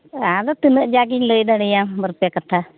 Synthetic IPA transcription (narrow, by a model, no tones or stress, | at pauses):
ad̪ɔt̪ɯnəʔd͡ʒaɡiɲləjd̪aɽɛjãbəɾpjakat̪ʰa